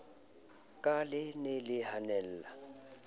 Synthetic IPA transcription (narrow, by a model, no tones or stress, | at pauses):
kʼalɪnelɪhanɛl̩ːla